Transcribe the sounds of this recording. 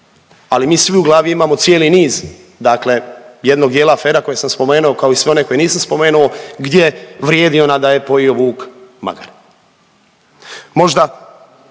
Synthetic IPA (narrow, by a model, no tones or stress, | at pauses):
alimiːsʋiuɡlaːʋjuimamo̞t̪sje̞ːliniːz | d̪akle̞je̞d̪no̞ɡ̚d̪jeːlaːfe̞ːɾako̞jesamspo̞me̞ːnuo̞kao̞isʋe̞o̞neko̞jeniːsamspo̞me̞ːnuo̞ɡd̪jeʋɾje̞ːd̪io̞nad̪aje̞po̞jio̞ʋuːkma̰ɡa̰ɾ | mo̞ʒd̪a